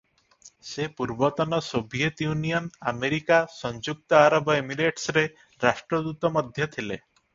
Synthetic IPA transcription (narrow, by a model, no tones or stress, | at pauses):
sepuɾbɔt̪ɔnɔsobʱijet̪junijɔnameɾikasɔnd͡ʒuk̚t̪ɔaɾɔbɔemiɾeʈsɾe | ɾasʈɾɔd̪ut̪ɔmɔd̪ʱjɔt̪ʰile